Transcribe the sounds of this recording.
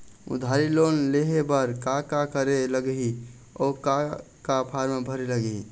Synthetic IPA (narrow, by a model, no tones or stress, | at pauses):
ṵd̪ʱaɾilonleɦebəɾkakakəɾeləɡɦi | ɔka | kapʰaɾmebʱəɾeləɡi